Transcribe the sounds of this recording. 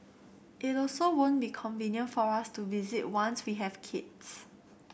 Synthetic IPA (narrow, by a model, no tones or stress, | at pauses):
ʔitɔlsowõnbikʰɔ̃nvĩnjə̃nfɔɹastuvizit̚wãnswiɦɛvkʰids